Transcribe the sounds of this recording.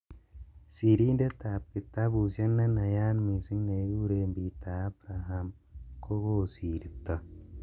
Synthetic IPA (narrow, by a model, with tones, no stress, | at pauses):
si˨ɾi˦nde˦t̪aː˨p̚ki˨t̪ːa˦bu˨sɐ˦nːa˦nɐ˨jaː˦nmi˨si˦ŋne˨˦u˦ɾe˧mbi˨t̪ːaː˨˦bɾaɦam | ko˦ɣo˦siː˨ɾi˨t̪ːa˨